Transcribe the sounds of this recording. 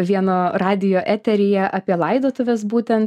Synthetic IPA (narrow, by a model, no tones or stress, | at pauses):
ʋʲiɛnoːrɑːd̪ʲɪjoːʔæːt̪ʲɛɾʲɪjɛʔɑːpʲiɛlˠɐɪd̪oːt̪ʊʋʲɛsbuːt̪ʲɛnt̪